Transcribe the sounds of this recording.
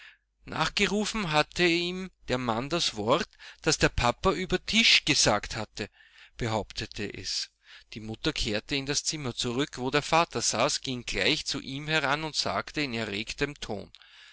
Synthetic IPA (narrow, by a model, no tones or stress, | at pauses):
nʔa̰ːχɡ̥əʁuːfn̩ɦatʰəiːmd̥eːɐmandasv̥ɔɐtd̥asd̥eːɐpʰapɐyːbɐtʰɪʃɡ̥əzaːkthatə | b̥əɦaʊptʰətʰəʔɛ̰s | d̥iːmʊtɐkʰeːɐtəɪndast͡sɪmɐt͡suʁʏkvoːdeːɐfaːtɐz̥aːsɡ̥ɪŋɡla̰ɪçt͡sṵʔiːmhɛʁanʊntz̥a̰ːktəɪnɛɐʁeːktəmtʰo̰ːn